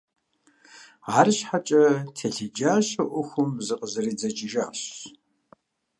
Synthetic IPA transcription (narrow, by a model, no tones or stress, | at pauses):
ʕaːɾɨɕħat͡ʃʼɐtʰeɬɪd͡ʒaːɕɐʔʷʊxʷʊmzɨqʼəzɐɾiːd͡zɐt͡ʃʼɪʒaːɕ